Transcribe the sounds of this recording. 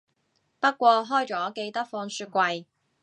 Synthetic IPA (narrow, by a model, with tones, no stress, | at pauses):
pɐ˥t̚kʷɔː˧ɦɔː˥jt͡sɔː˨˥ke˧jt̪ɐ˥k̚fɔː˧ŋsyː˧t̚kʷɐ˧j